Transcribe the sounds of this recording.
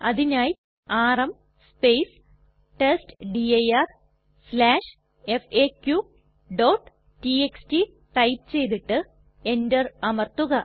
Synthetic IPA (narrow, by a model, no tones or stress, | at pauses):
ɐðinaːj | aːrɐm | spejs | ʈesʈɖiɐjɐr | slaːʂ | efeːkːju | ɖoːʈː | ʈieksʈi | ʈɐjpt͡ɕe̞jt̪iʈːɨ | e̞ndɐrɐmɐrt̪uɣɐ